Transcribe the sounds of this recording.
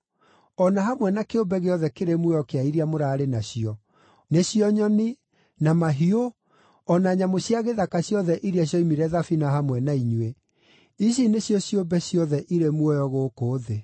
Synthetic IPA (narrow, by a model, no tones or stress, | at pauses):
ɔnaɦamwɛnakeobɛɣeɔðɛkeɾemwɔjɔkeaiɾiamoɾaːɾenaɕiɔ | neɕiɔɲɔni | namaɦio | ɔnaɲamoɕjaɣeðakaɕjɔðɛʔiɾiaɕ̬jɔimiɾɛðafinaɦamwɛnaiɲue | iɕ̬ineɕjɔɕjobɛɕjɔðɛʔiɾemwɔjɔɣoːkoːðe